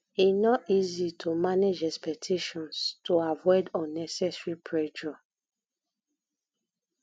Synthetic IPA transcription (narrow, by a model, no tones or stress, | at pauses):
inɔtizitʰomaned͡ʒɛkspɛk̚tʰeʃɔ̃nstʰoavɔɪdɔ̃nːɛsɛsɹipʰɹɛd͡ʒɔ